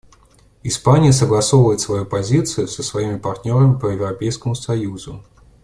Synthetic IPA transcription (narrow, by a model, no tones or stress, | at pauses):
ɪspanʲɪjəsəɡlˠɐso̞vəjɪt̪svɐjupɐzʲit̪sɨjʊsəsvɐimʲɪpɐrt̪ʲnʲo̞ɾəmʲɪpəjɪvɾɐpʲejskəmʊsɐjuzʊ